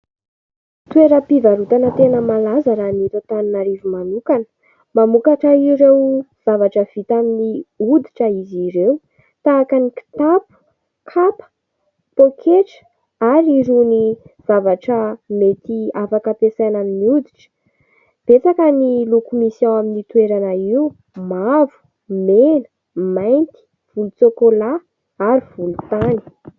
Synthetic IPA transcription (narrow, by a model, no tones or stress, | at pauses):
t̪ueɾəpivaɾut̪anət̪enəmalazəɾanit̪ot̪aninaɾivimanukanə̥ | mamukaʈ͡ʂəiɾewz̥avaʈ͡ʂəv̥it̪aminiud̪iʈ͡ʂəiziɾewu | t̪aːkaniki̥t̪apu̥ | kʰapə̥ | t̪okʰeʈ͡ʂə̥ | aɾiɾuniv̥avaʈ͡ʂəmet̪iafakəpesajnanniud̪i̥ʈ͡ʂə̥ | b̥et͡sakənilukumisãaminit̪ueɾanəiu | mavu̥ | menə̥ | majnt̪i̥ | v̥ulut͡sokola | aɾiv̥ulut̪ani̥